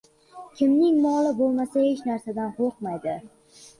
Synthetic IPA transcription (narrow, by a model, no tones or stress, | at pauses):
kʲʰɪmnɪŋmɒlɪbolˠmasahet͡ʃnaɾsad̪anqʰoqmajd̪ɪ